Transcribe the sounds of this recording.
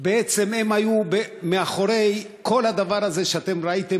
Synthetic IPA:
beet͡sememajubemeaχo̞ɾej | kʰo̞lhad̪avaɾaze̞ʃeat̪e̞mɾait̪e

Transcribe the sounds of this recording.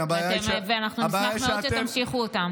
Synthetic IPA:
abajaemveanaχnuiajaameoʃeamʃiχuot̪am

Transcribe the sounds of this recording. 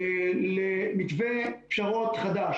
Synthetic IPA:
lemikvepʃaʁot̪χad̪aʃ

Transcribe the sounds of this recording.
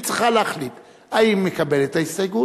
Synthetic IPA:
t͡si̥χaleaχlit̪ | aimːekabe̞let̪aisaɡu

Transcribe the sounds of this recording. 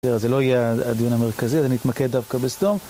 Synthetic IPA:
deazelo̞ajeaad̪ijunameʁkaziazenit̪maked̪ːavkabestom

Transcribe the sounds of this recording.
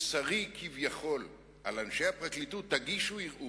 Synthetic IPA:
saʁikʰivjaχo̞l | ʔa̰lanʃehapʁaklit̪ut̪ːaɡiʃuiʁʔu

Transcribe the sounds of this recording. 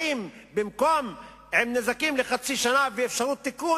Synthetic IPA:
imbimko̞m | hemnezakimleχat͡siʃanaveːfʃaʁut̪ːiku

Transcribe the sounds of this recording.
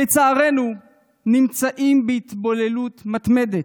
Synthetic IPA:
et͡saːʁe̞nu | nimt͡saʔimbeit̪bo̞le̞lut̪mat̪me̞d̪et

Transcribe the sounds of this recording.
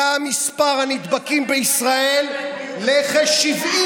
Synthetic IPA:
amispaʁhanid̪bakimbeisʁae̞lː | eχaʃivi

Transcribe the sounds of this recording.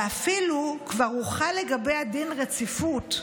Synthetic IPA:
afilukvaʁuχaleɡabejadinʁet͡sifut

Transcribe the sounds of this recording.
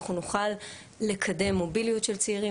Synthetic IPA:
χunuχalː | e̞kʰade̞mːo̞bilijutʃe̞lt͡seiʁi

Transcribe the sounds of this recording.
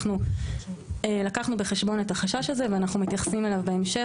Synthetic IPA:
nu | elakaχnube̞χe̞ʃbo̞ne̞t̪haχaʃaʃaze̞veanaχnumit̪jaχsimelavbeemʃe

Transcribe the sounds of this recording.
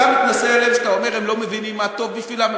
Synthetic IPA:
amit̪naseelemʃat̪aomeʁemlo̞mevinimːat̪o̞vbiʃvilam

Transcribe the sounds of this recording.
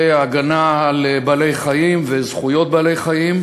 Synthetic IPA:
aɡanaːlbale̞jχajimvezχujo̞t̪̚bale̞jχajim

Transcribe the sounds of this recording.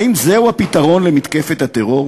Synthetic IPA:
imzeuapit̪aʁo̞nlemit̪kefet̪hat̪eʁo̞

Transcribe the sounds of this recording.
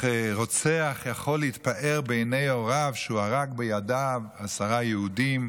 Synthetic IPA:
ʁot͡seaχjaχo̞lːeit̪̚paʔeʁbejnejoʁavʃuaʁakbejadavasaʁajeudim

